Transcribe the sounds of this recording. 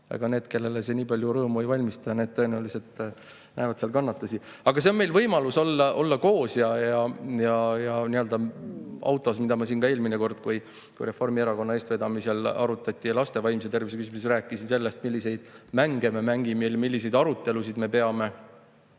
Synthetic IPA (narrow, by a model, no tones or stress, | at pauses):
ɑ̰ɡ̥ɑne̞ːd̪ke̞lːe̞lese̞niːpɑlʲjuɾɤːmuejvɑlʲmist̪ɑjɑne̞ːd̪̥̚t̪ɤe̞neuliset̪ | nʔæ̰ːvɑd̪̥seɑlkɑnːɑt̪ːˑusiɑɡ̥ɑs̬e̞o̞nme̞jlvɤjmɑluso̞lːɑʔo̞lːɑko̞ːsjɑjɑjɑjɑniøld̪̥ɑɑ̰wt̪ːˑo̞smid̪ɑmɑs̬iːnkɑe̞ːlmineko̞rd̪̥kuj | kṵjɾe̞fo̞rmieɾɑko̞nːɑe̞ːst̪ve̞d̪ɑmisɑlɑ̰ɾut̪ːˑɑt̪ʲˑːijɑlɑst̪e̞vɑjmset̪e̞rvisekysmusɾæːkːˑisinse̞lːe̞st̪milʲːise̞jd̪̥mæŋɡ̥ememæŋɡimelmilːise̞jd̪ɑɾut̪ːˑe̞lusid̪me̞pe̞ɑme̞